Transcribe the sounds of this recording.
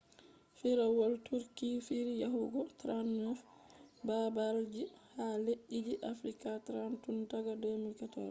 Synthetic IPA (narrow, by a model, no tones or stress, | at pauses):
fiɾawɔltuɾkifiɾjaɦuɡɔtɾanːɛfbabaɾd͡ʒihaleʔːid͡ʒiʔafɾikatɾantuntaɡadɔmilkatɔ̰ɾ